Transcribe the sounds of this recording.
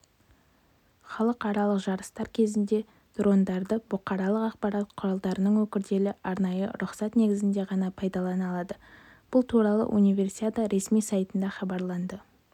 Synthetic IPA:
χɑlˠəqɑɾɑlˠəqʒɑɾəst̪ɑɾkʲʰe̞zɪnd̪e̞ | d̪̥ɾo̞nd̪ɑɾd̪əbʊqɑɾɑlˠəqɑqpɑɾɑt̪̚qʰʊɾɑlˠd̪ɑɾənəɴwɵkʲɪɾd̪e̞lɪʔɑɾnɑjə̰ɾʊqsɑt̪ne̞ɡʲɪzɪnd̪e̞ʁɑnɑpʰɑjd̪ɑlˠɑnɑlˠɑd̪ə | b̥ʊlˠt̪ʰuɾɑlˠə̰ʔunijvʲe̞rsiad̪ɑɾʔe̞smijsɑjt̪ənd̪ɑχɑbɑɾlˠɑnd̪ə

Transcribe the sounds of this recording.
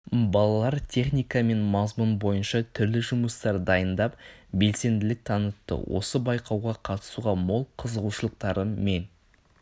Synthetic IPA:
bɑlˠɑlˠɑɾt̪ʲʰe̞χnijkɑme̞nmɑzmʊnbo̞jənʃɑt̪ʰʏɾlɪʒʊməst̪ɑɾd̪ɑjənd̪ɑpbe̞lse̞nd̪ɪlɪk̚t̪ʰɑnət̪ːə̰wʔo̞səbɑjqʰɑwʁɑqʰɑt̪ə̥suʁɑmolˠqʰəzəʁuʃəlˠəq̚t̪ɑɾəme̞n

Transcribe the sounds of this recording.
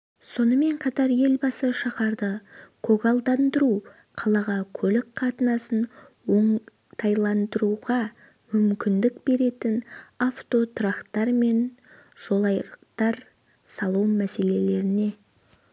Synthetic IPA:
so̞nəme̞ɴqʰɑt̪ɑɾje̞lbɑsəʃɑqɑɾd̪əkʰo̞ɡalˠd̪ɑnd̪əɾu | qʰɑlˠɑʁɑkʲʰɵlɪk̚qʰɑt̪ənɑsən | wo̞ɴ | t̪ʰɑjlˠɑnd̪əɾuʁɑ | mʏmkʲɪnd̪ɪkbe̞ɾe̞t̪ɪnaft̪o̞t̪ʰʊɾɑqt̪ɑɾme̞n | ʒ̥o̞lˠɑjəqt̪ɑɾ | sɑlˠumæse̞le̞le̞ɾɪne̞

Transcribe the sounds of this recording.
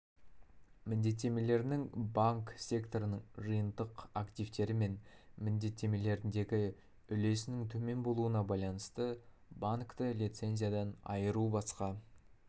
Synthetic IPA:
mɪnd̪e̞t̪ːe̞me̞le̞ɾnɪŋbaŋksʲe̞kt̪o̞ɾənəɴʒɨjənd̪əqakt̪ijvt̪e̞ɾɪme̞nmɪnd̪e̞t̪ːe̞me̞le̞ɾɪnd̪e̞ɡʲɪ | ʏle̞sɪnɪŋt̪ʰɵme̞nbo̞lˠuənɑbɑjlˠɑnəst̪ə | baŋkt̪əlʲit̪se̞nzʲijad̪ɑnɑ̰jəɾubɑsqɑ

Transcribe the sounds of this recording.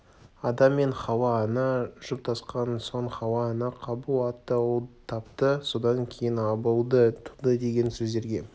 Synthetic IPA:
ɑd̪ɑmːe̞ɴχɑwɑːnɑʒ̥əp̚t̪ʰɑsqɑnso̞ɴχɑwɑːnɑqʰɑbulˠɑt̪ːəwəlˠt̪ʰɑp̚t̪əso̞d̪ɑŋkʲʰe̞jɪnɑbəlˠd̪ət̪ʰud̪əd̪e̞ɡʲe̞nsɵzd̪e̞ɾɡʲe̞

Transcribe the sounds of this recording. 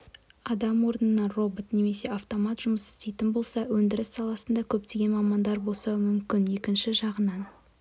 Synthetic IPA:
ɑd̪ɑmwo̞ɾənənɑro̞bo̞t̪ne̞me̞se̞ɑft̪o̞mɑt̪ʒ̥ʊməsɪ̥st̪e̞jt̪ɪnbo̞lˠsɑwɵnd̪ɪɾɪsːɑlˠɑsənd̪ɑkʲʰɵp̚t̪e̞ɡʲe̞nmɑmɑnd̪ɑɾbo̞lˠsɑwmʏmkʲɪnje̞kʲɪnʃɪʒɑʁənɑn

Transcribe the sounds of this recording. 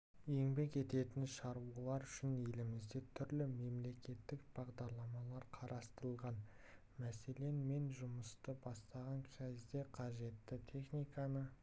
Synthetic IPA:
je̞ŋbe̞ke̞t̪e̞t̪ɪnʃɑɾuəlˠɑɾʏʃɪnje̞lɪmɪzd̪e̞t̪ʰʏɾlɪme̞mle̞kʲe̞t̪ːɪkb̥ɑʁd̪ɑɾlˠɑmɑlˠɑɾqʰɑɾʔɑst̪ɾəlˠʁɑn | mæse̞le̞nme̞nʒʊməst̪əbɑst̪ɑʁɑŋkʲʰæzd̪e̞qʰɑʒe̞t̪ːɪt̪ʲʰe̞χnijkɑnə

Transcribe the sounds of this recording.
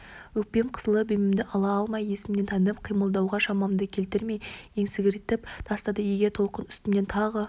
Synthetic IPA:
wɵk̚pe̞mqʰə̥zəlˠəbemɪmd̪ɪʔɑlˠɑɑlˠmɑje̞sɪmne̞nt̪ʰɑnəp̚qʰijməlˠd̪ɑwʁɑʃɑmɑmd̪əkʲʰe̞lt̪ɪɾme̞jje̞ŋsɪɡʲɪɾt̪ːɪp̚d̪̥ʰɑst̪ɑd̪əjeɡʲe̞t̪ʰo̞lˠqənʏ̥st̪ɪne̞nt̪ʰɑʁə

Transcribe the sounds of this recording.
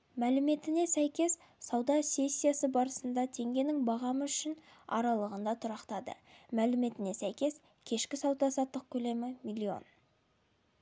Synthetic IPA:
mælɪme̞t̪ɪne̞sæjkʲe̞s | sɑwd̪ɑsʲe̞sʲːijasəbɑɾəsənd̪ɑt̪ʰe̞ŋɡʲe̞nɪŋbɑʁɑməʏʃɪn | ɑ̰ɾɑlˠəʁənd̪ɑt̪ʰʊɾɑqt̪ɑd̪ə̰mælɪme̞t̪ɪne̞sæjkʲe̞s | kʲʰe̞ʃkʲɪsɑwd̪ɑsɑt̪ːəq̚kʲʰɵle̞mɪmilʲːio̞̰n

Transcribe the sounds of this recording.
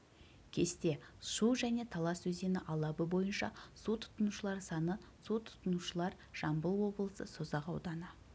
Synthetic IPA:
kʲʰe̞st̪e̞ʃuʒæne̞t̪ʰɑlˠɑswɵze̞nɪʔɑlˠɑbəbo̞jənʃɑ̰sut̪ʰʊ̥t̪ənuʃəlˠɑɾsɑnə | sut̪ʰʊ̥t̪ənuʃəlˠɑɾ | ʒ̥ɑmbəlˠwo̞blˠəsə̰sozɑqɑ̰wd̪ɑnɑ

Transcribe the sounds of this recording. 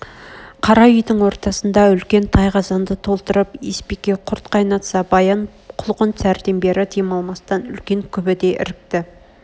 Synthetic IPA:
qʰɑɾɑʏjd̪ɪŋwo̞ɾt̪ɑsənd̪ɑʏlkʲe̞nt̪ʰɑjqɑzɑnd̪ət̪ʰo̞lˠt̪əɾəpespekʲːe̞qʰʊɾt̪qʰɑjnɑt̪sɑbɑjɑɴ | qʰʊlˠqənsæɾd̪e̞nbe̞ɾɪt̪ʰijmɑlˠmɑst̪ɑnʏlkʲe̞ŋkʲʰʏbɪd̪e̞ʔɪ̰ɾɪk̚t̪ɪ

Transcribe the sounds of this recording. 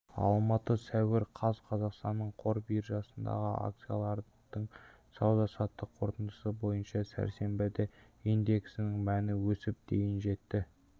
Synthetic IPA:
ɑ̰lˠmɑt̪əsæwɪɾqʰɑzqʰɑzɑqst̪ɑnːəɴqʰo̞ɾbiɾʒɑsənd̪ɑ̰ʁəʔa̰k̚t̪sɨja̰lˠɑɾ | d̪̥əɴ | sɑwd̪ɑsɑt̪ːəqʰo̞ɾt̪ənd̪əsəbo̞jənʃɑsæ̰ɾse̞mbɪd̪e | ijnd̪e̞ksɪnɪŋmænɪwɵsɪp̚d̪e̞jɪnʒe̞t̪ːɪ

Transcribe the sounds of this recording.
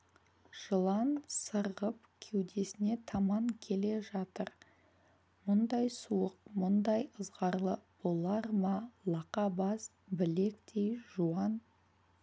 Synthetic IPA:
ʒ̥əlˠɑnsəɾʁəp | kʲʰewd̪e̞sɪne̞t̪ʰɑmɑŋkʲʰe̞le̞ʒɑt̪əɾ | mʊnd̪ɑjsuəq̚mʊnd̪ɑjəzʁɑɾlˠəb̥o̞lˠɑɾmɑlˠɑqɑbɑs | bɪle̞kt̪ʰejʒuɑn

